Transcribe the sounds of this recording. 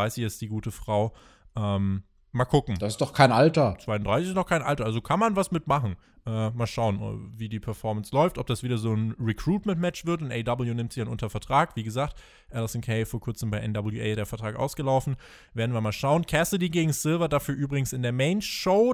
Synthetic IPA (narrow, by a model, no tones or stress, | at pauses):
aɪsɪçɛstd̥iːɡuːtəfʁ̥aʊ | ʔɛːm | maːlkʰʊkŋ̩d̥asɪstd̥ɔχkʰaɪnʔaltɐt͡sv̥aɪʊndʁaɪsɪçɪstdɔχxkʰaɪnʔa̰ltɐʔalzokʰanmanvasmɪtmaχn̩ | ʔɛːmaːlʃaʊənɛ̰viːdiːpʰɛɐfɔɐmənslɔʏftɔp̚d̥asv̥iːdɐzoːnʁikʁ̥uːtmɛntmɛt͡ʃv̥ɪɐtʊntʔeɪdɐbl̩junɪmtz̥içanʔʊntɐfɛɐtʁ̥aːkviːɡəzaːk̚t | ʔɛlɪsɔnkʰeɪfoːɐkʰʊɐt͡səmbaɪʔɛndɔbl̩juʔeɪɾeːɐfɛɐtʁ̥aːkʔaʊsɡ̥əlaʊfn̩ | v̥eːɐdn̩viɐmaːlʃaʊənkʰɛsədiːɡeːɡŋ̩sɪlvɐdafyːɐʔyːbʁɪɡŋ̩sɪndeːɐmɛɪnʃoʊ